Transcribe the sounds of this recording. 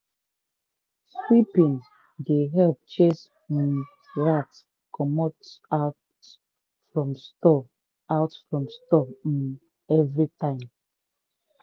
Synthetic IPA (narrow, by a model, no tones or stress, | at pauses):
swipĩn | deɦɛlp̚t͡ʃes̩ | ɹat | kʰɔmotat | fɹɔ̃mstɔ | aʊtfɹɔ̃mstɔ | ɛvɹitãɪ̃m